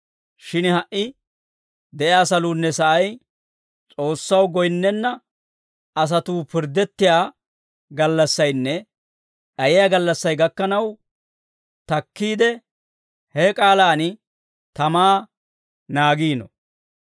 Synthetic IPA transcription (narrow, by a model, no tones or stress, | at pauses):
ʃɪnhɐʔɪ | d̪ɛʔjaːsɐluːnːɛsɐʔɐj | t͡sʼo̞ːsːɐwɡɔjnːɛnːɐ | ɐs̬ɐt̪uːpɪɾd̪ɛt̪ːɪjaː | ɡɐlːɐsːɐjnːɛ | ɗɐjɪjaːɡɐlːɐsːɐjɡɐkːɐnɐw | t̪ɐkːiːd̪ɛ | hɛkʼaːlaːnɪ | t̪ɐmaː | naːɡiːnɔ̰